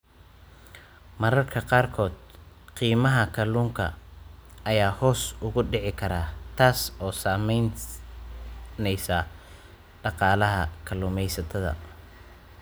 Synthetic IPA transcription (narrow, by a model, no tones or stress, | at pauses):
mɐɾɐrkʰɐqɑːrkʰɔːd̪ | qiːmɐɦɐkʰɐluːŋkʰɐ̰ | ɐjaːhɔːsʊɣʊɖɪʕɪkʰɐɾaːt̪ʰaːsɔːsaːmɛjn | nɛjsɐ | ɖɑqɑːlɐɦɐ̰kʰɐlʊːmɛjsɐt̪ʰɐðɐ̰